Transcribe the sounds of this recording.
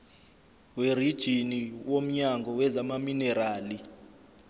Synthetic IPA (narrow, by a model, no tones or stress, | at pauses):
werid̥ʒ̥ʱiniwom̩ɲaŋɡʱɔwɛzamaminɛɾaːli